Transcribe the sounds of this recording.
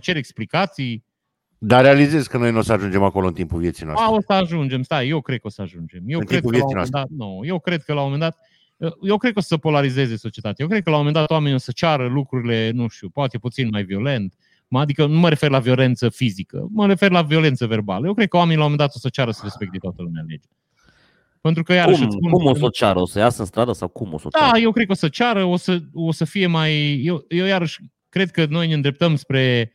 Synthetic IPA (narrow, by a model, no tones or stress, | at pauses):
t͡ʃe̞ɾeksplikat̪sij | d̪aɾealize̞zkəno̞jnuosəaʒund͡ʒe̞mako̞loɨnt̪impuvje̞t̪sinoa̰aosəaʒund͡ʒe̞mst̪aejewkɾed̪kəo̞səaʒund͡ʒe̞mjewɨnk̪ɾied̪kvəeaoieend̪at̪̚noje̞wkɾe̞d̪̚kəlawomomend̪at̪ | əjewkɾed̪̚kossəpo̞laɾize̞ze̞so̞t͡ʃiet̪at̪ejajekɾekəlawome̞nd̪at̪owame̞nio̞sət͡ʃaɾəlukɾuɾile̞nuʃt̪upoat̪e̞put̪sinmajvio̞le̞nt̪ | mad̪ikənuməɾe̞fe̞rlavio̞le̞nt̪səfizikə̰məɾe̞fe̞rlavio̞le̞nt̪səve̞rba̰ləje̞wkɾed̪̚kəowamenilawomend̪at̪o̞sət͡ʃaɾəsəɾe̞spekt̪et̪at̪əlumeale̞̰d͡ʒa | pent̪ɾukəjaɾəuʃpunkumosot͡ʃaɾəosəjasəɨnst̪ɾad̪əsa̰wkumo̰sod̪aje̞wkɾed̪̚kəo̞sət͡ʃaɾəo̞səo̞səfije̞majːewjewjaɾəʃʲ | kɾe̞d̪̚kəno̞jneɨnd̪ɾep̚t̪əmspɾe̞